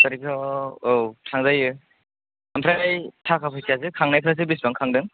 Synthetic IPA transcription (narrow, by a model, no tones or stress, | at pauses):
kaɾikʰɔowtʰaŋzajɯ | ampʰɾajtʰakʰapʰɯsas̬ɯkʰaŋnajpʰɾas̬ɯbis̬baŋkʰaŋdɯŋ